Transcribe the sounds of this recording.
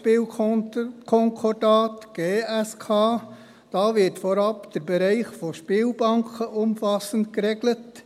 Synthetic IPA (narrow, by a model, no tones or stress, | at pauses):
piːl | kʰɔŋkʰɔdɑːtɡ̥eːɛskʰɑː | d̥ɑːʋɪtfɔɾɑpd̥əɾbɛɾɛɪχfoʃpiːlbɑŋkʰəʔʊmfɑsənt̚kɾeɡlət